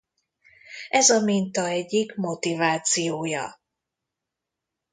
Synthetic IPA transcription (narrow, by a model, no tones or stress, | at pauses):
ɛzɒmint̪ɒɛɟːikmo̞t̪ivaːt̪sijoːjɒ̰